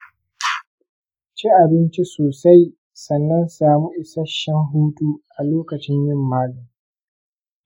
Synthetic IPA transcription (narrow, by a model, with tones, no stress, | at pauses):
t͡ʃiː˦ʔa˨bɪ˦nt͡ʃi˦soː˨sa˦j | sɐ˨nːɐ˦nsaː˨mu˦ʔɪ˨sɐ˦ʃːɐ˦ŋɦuː˦tuː˦ʔa˨loː˦kɐ˨t͡ʃɪ˦ɲjɪ˦mːaː˦lʊ˨ŋ